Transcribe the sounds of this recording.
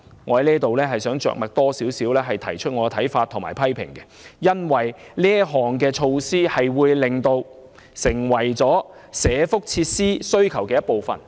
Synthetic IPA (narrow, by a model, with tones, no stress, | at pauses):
ŋɔː˨˧hɐ˧˥jniː˥t̪o˨wlɛː˥ɦɐ˨jsœː˨˥ŋt͡ʃœ̰ː˨k̚mɐ˨k̚t̪ɔː˥siː˨˥wsiː˨˥wlɛː˥ɦɐ˨jt̪ʰɐ˨˩jt͡ʃʰɵ˥t̚ŋɔː˨˧ɛ˧t̪ʰɐ˨˥jfaː˧t̪ʰʊ˨˩ŋmaː˨˩jpʰɐ˥jpʰɪ̰˨˩ŋkɛ˧jɐ˥nwɐ˨jliː˥ɐ˥ɦɔː˨ŋkɛː˧t͡ʃʰo˧wsiː˥hɐ˨jwuː˨˧jlɪ˨˩ŋt̪o˧w | sɪ˨˩ŋwɐ˨˩jt͡sɔː˨˥ | sɛː˨˧fʊ˥k̚t͡sʰiː˧t̚siː˥sɵ˥ɥkʰɐ˨˩wkɛː˧jɐ˥t̚po˨wfɐ̰˨˩n